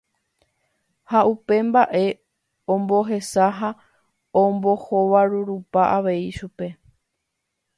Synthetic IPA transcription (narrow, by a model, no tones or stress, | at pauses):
haʔupe̞mbaʔe̞ | õmbo̞ɦe̞saɦa | õmbo̞hoʋaɾuɾupaʔaʋe̞iʃupe̞